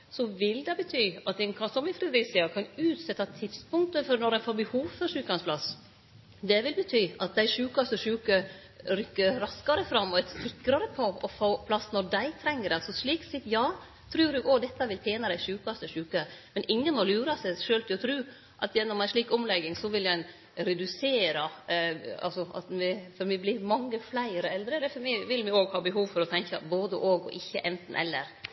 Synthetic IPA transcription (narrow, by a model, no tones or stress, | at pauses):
sɔʋɪld̪ɛbət̪ʰyːɑt̪ɛnkʰɑnsɔmɪfɾɛd̪ɾɪsɪɑkʰɑnʉːt̪sɛt̪ʰːɑt̪ʰɪd̪spʊŋt̪əfɔɾnɔɾɛnfoːɾbəhuːʋfɔɾʂʉːkɑnspʰlɑs | d̪ɛʋɪlbət̪ʰyːɑt̪̚d̪æɪʂʉːkɑst̪əʂʉːkə | ɾʏkːəɾɾɑskɑɾəfɾɑmːɔɛt̪sɪkːɾɑɾəpʰɔɔfoːpʰlɑsːnɔɖæɪt̪ʰɾɛŋːəɾɛsɔʂɭiːksɪt̪jɑː | t̪ʰɾʉːɾʉɡɔd̪ɛt̪ːɑʋɪlp̪ʰeːnɑd̪æɪʂʉːkɑst̪əʂʉːkəmɛnɪŋːənɔlʉːɾɑsɛʂøːlt̪ʰɪlɔt̪ʰɾʉː | ʔɑt̪jɛnːɔmæɪʂɭiːkɔmlɛɡːɪŋsɔʋɪljæɪn | ɾɛd̪ʉseːɾɑ | ɑ̰lsɔɑ̰t̪mɛfɔɾmɪblɪɾmɑŋːəflæɪɾəɛld̪ɾəd̪ɛfɔmɪʋɪlmɪoːɡhɑːbəɦuːʋfɔɾɔt̪ʰɛŋkəboːd̪əʔoːɡɔ̰ʔɪçːə̰ʔɛnt̪n̩ʔɛ̰lːə̰ɾ